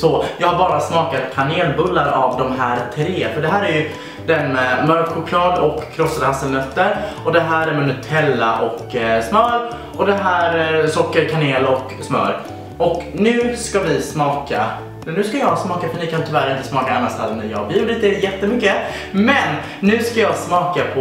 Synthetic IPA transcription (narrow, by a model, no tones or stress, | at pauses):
sɔjɑːhaɾbɑːɾasmɑːkat̪kʰaneːlbɵlːaɾa̰vd̪ɔmɦæːɾt̪ʰɾeːfœɖɛɦæːɾæɾjɵ | d̪ɛnmɛmœɾkɧʊkʰlɑːd̪ɔkʰːɾɔsːad̪əhasːəlnœt̪ːəɾɔd̪ɛɦæːɾæɾmɛnʉt̪ʰɛlːa̰ʔɔksmœːɾ | ɔd̪ɛɦæːɾsɔkːəɾkʰaneːlɔk | smœ̰ːɾ | ʔɔknʉ̟ːskavɪsmɑːka | nʉːskajɑːsmɑːkafœɳɪkʰant̪ʰʏvæɾɪnt̪əsmɑːkaanast̪alnæjɑ̰ːɡbjʉːlɪd̪ɛjɛt̪ːəmʏkːə | mɛnː | ʉ̟ːskajɑːɡsmɑːkapʰɔ